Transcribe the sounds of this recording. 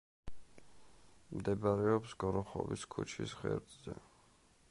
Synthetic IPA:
md̪ɛbaɾɛɔpsɡɔɾɔχɔ̰viskʰut͡ʃʰisʁɛ̰ɾt̪ʼzɛ

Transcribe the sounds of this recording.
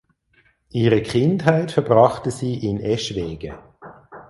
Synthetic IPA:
ʔiːʁəkʰɪnthaɪtfɛɐbʁɑχtəziːʔɪnɛʃvɛːɡ̥ə̰

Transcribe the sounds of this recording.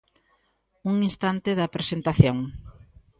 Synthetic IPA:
uŋinst̪ant̪eðɐpɾesent̪aθjoŋ

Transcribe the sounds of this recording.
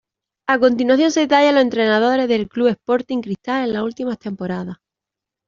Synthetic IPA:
ako̞nt̪inwaθjo̞nse̞ðet̪aʎaloe̞nt̪ɾe̞nað̞o̞ɾe̞ɦðe̞lklue̞hpo̞ɾt̪iŋkɾiht̪ale̞nlault̪imat̪e̞mpo̞ɾaða

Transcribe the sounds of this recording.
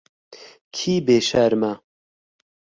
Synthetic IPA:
kʰiːbeːʃaɾmɐ

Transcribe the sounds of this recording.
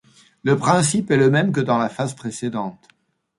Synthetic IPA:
ləpχɛ̃sipɛləmɛmk̬əd̪ɑ̃lafazpχesed̪ɑ̃t̪

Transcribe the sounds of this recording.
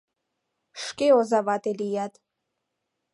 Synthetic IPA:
ʂkʲʼeozavatʼelijatʼ

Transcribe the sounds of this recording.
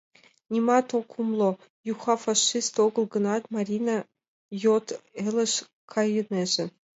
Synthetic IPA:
nʲimɑt̪okʰumlˠo | juxɑfɑʂist̪oɡɤ̆lˠɡɤ̆nɑt̪mɑɾʲinɑ | jot̪ɘ̆lʲɘ̆ʃ | kʰɑjɤ̆neʒɘ̆

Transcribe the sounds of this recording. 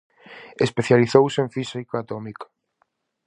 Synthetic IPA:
espeθjaliθowsɪeɱfisikaat̪ɔmikḁ

